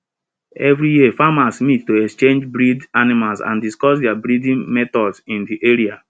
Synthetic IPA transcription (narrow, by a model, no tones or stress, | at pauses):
ɛvɾijiefamãsmittoɛkst͡ʃẽnd͡ʒbɾidanimalsã̰ndiskɔsdɛabɾidĩnmɛtɔdsĩndiʔeɾia